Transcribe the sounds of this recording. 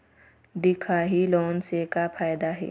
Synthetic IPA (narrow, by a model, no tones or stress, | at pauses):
d̪ɪkʰaɦiloːnsekapʰaːjd̪aɦɛ̰ː